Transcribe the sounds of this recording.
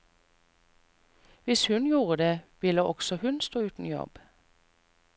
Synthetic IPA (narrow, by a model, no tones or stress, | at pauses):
ʋɪshʉnjuːʁəd̪eːʋɪləʔɔɡ̥sɔhʉnst̪oːʉːt̪n̩jɔ̰b̥